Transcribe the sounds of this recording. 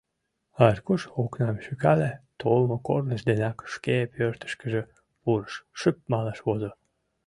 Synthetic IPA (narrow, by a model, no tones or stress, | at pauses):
ɑrkuʃoknɑmʃykɑlet̪ʰolmokornəʃd̪enɑkʃkepʰørt̪ə̥ʃkəʒə̆ | puɾəʃʃəp̚mɑlɑʃβozo